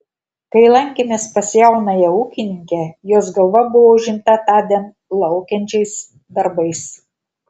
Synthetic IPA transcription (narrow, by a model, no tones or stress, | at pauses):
kɐɪlˠɐŋʲkʲemʲeːspɐsʲjɛʊnɐjɛuːkʲɪnʲɪŋʲkʲɛjoːsɡɐlˠʋɐbʊʋoːʊʒʲɪmt̪ɐt̪ɑːd̪ʲɛn | lˠɐʊkʲɛnʲt͡ʃʲɛɪs | d̪ɐɾbɐɪs